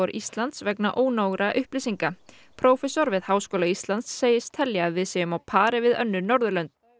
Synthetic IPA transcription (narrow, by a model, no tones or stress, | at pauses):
ɔɾʔist̪lant̪svɛknaʔoːwnowɣɾaʔʏhplɪsiŋka | pʰɾoːwfɛsɔɾvɪðhaːwskowlaist̪lant̪sːeːjɪst̪ʰɛljavɪðsɛːjʏmawpʰaːɾɪvɪðœ̰nːʏnɔɾðʏlœnt̪̚